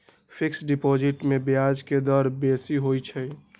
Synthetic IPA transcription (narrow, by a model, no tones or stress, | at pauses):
pʰɪksɖipod͡ʒɪʈmebjad͡ʒked̪əɾbesiɦojt͡ʃʰɛ